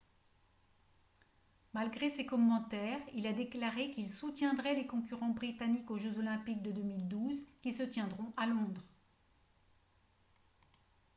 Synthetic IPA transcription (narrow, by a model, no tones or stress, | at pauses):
malɡʁesekɔmːɑ̃t̪ɛʁilad̪eklaʁekilsut̪jɛ̃d̪ʁɛlekɔ̃kʲyʁɑ̃bʁit̪anikoʒøzɔlɛ̃pik̚d̪əd̪ømild̪uzkʲisət̪jɛ̃d̪ʁɔ̃ʔalɔ̃d̪ʁ